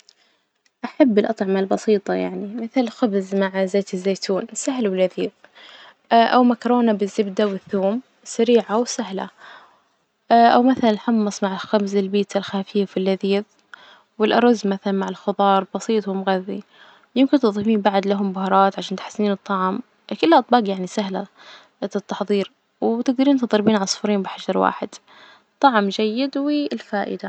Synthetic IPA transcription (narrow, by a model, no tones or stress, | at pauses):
ʔaħabːɪlʔɑt̪ˤʕɑmalbɑsiːt̪ˤɑja̰ʕnimɪθɪlxʊbzmaʕzaːt̪ɪzːeːt̪ʰuːnsaɦlwɪlːaðiːð | ʔawmakɾˤoːnabɪzːɪbd̪awɪθːuːm | saɾiːʕawsaɦla̰ | ʔawmaθalannħɑmːɑsˤmaʕɪlxabzɪlbiːt̪alxaːfiːfɪlːaðiːð | wɪlʔɑ̰ɾˤɑzːmaθalanmaʕɪlxʊðˤɑːɾˤbɑsˤiːt̪ˤhʊmɣaðːḭ | jɪmkɪnt̪ɨðˤifiːnbaʕd̪laɦʊmbʊhɑɾˤɑːt̪ʕaʃaːnt̪ħɪ̥sːiːnɨt̪ˤːɑʕm | kɪlːʔɑt̪ˤbɑːqjaʕnisaɦla | t̪t̪ːɑħðˤiːɾ | wt̪ɪɡ̚d̪aɾiːnt̪ɨðˤɑɾˤbiːnʕasˤʊ̥fɾiːmbɪħad͡ʒɑɾˤwa̰ːħɪd̪̥ | t̪ˤːɑʕmd͡ʒajːɪd̪wɪlfaːʔɪ̰d̪a